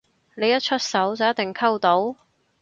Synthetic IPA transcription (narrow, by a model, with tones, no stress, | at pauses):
ne˨˧jɐ˥t̚t͡ʃʰɵ˥t̚sɐ˨˥wt͡sɐ˨˩wjɐ˥t̪̚ɪ˨ŋkʰɐ˥wt̪o˨˥w